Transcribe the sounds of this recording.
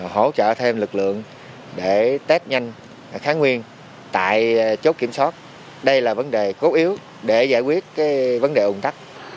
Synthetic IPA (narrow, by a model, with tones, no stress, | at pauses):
ho̰˧˥t͡ɕə̰ː˧˨t̪ʰe˧mlɨ˨˩k̚lɨ̰˧˨əŋ | ɗe˧˩t̪e˦˥t̚ɲa˧jŋ̟˩ | xaː˨˦nŋwi˧ən | t̪a̰ː˧˨jt͡ɕo˦˥t̚ki˧˩əmswaː˦˥t̚ | ɗə˧jlaː˨˩və˨˦nɗe˨˩ko˨˦ʔi˨˦əw | ɗe˧˩za̰ː˧˩jkwi˦˥ət̚kaː˨˦jvə˨˦nɗe˨˩ʔʊ˨˩ŋ͡mt̪a˦˥k̚